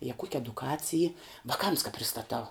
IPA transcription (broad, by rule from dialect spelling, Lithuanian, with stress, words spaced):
jɛ kuɔkʲ ɛdʊˈkɑːt͡sʲɪj iː ʋɐˈkɐms kɐ pʲrʲɪstɐˈtɐʊ